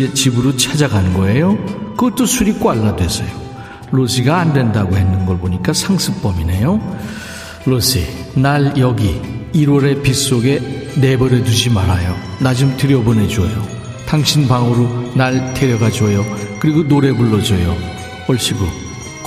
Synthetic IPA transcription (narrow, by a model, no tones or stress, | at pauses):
t͡ɕibɯɾot͡ɕʰad͡ʑaɡʱanɯnɡʌejokɯt͈usʰuɾik͈oaɭːadwe̞sʰʌjo | losʰiɡaːndwe̞ndaɡoɦhe̞nːɯnɡʌɭboɲik͈asʰaŋsʰɯk̚p͈ʌminejo | losʰḭnaɭjʌɡiːɾwʌɾe̞pis͈oɡe̞ne̞bʌɾetud͡ʑimaɾajo | nad͡ʑumtɯɾjʌbʌne̞d͡ʑuʌjo | taŋɕʰinbaŋɯɾonaɭtʰeɾjʌɡad͡ʑuʌjʌkɯɾiɡonoɾe̞buɭːʌd͡ʑʌjo | ʌɭɕ͈ibo